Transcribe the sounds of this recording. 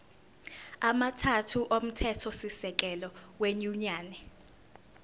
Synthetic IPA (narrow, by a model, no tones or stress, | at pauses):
amatʰatʰuʔom̩tʰɛtʰɔsisɛk̬ʼɛlɔweɲuɲaːnɛ